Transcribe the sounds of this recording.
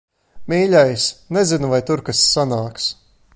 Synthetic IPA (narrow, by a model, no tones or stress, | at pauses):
mʲiːʎʲajsnɛzinuvajt̪uɾkasːanaːks